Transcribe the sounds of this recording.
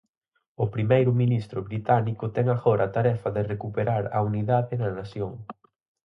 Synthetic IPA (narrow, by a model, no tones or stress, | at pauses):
ʊpɾimejɾʊminist̪ɾʊβɾit̪anikʊt̪ɛŋaɣɔɾʔɐːt̪aɾɛfɐðɪrekupeɾaɾɐ̰uniðaðɪnɐnasjoŋ